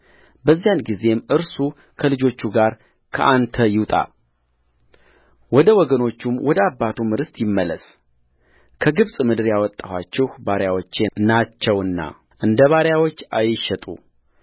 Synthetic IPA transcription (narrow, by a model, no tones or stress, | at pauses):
bəzːijanɡize̞mɨɾsu | kʰəlɨd͡ʒo̞t͡ʃːuɡaɾ | kʰəʔant̪ʰəjɪwt̪ʼa̰ | wɔd̪əwɔɡəno̞t͡ʃːumwɔd̪əabːat̪ʰumɨɾɨst̪jɪmːələs | kʰəɡɨβsʼmɨd̪ɨɾjawɔt̪ʼːawat͡ʃːɛhbaɾjawot͡ʃːenat͡ʃːɛwɨnːa̰ | ʔɨnd̪əβaɾjawot͡ʃːajɪʃɛt̪ʼṵ